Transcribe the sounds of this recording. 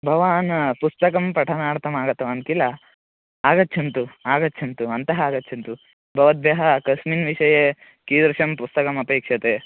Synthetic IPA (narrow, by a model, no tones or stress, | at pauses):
bʱɐʋaːnpust̪ɐkɐmpɐʈʰɐnaːɽt̪ɐmaːɡɐt̪ːɐɐnkilːɐ | aːɡɐtːt͡ʃʰɐnt̪uaːɡɐtːt͡ʃʰɐnt̪uɐnt̪ɐɦɐaːɡɐtːt͡ʃʰɐnt̪u | bʱɐʋɐd̪̚bjɐɦɐkɐʃminʋiʂɐje | kiːd̪ɾɐʃɐmpust̪ɐkɐmɐpeːkʂɐt̪e